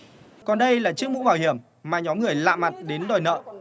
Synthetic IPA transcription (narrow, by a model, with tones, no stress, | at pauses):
kɔ˨˩nɗə˧jlaː˨˩t͡ɕɨ˦˥ək̚mṵ˧˥ɓaː˧˩whi˧˩əm | maː˨˩ɲɔ˨˦mŋɨ˨˩əjla̰ː˧˨ma˨˩t̚ɗe˨˦nɗɔ˨˩jnə̰ː˧˨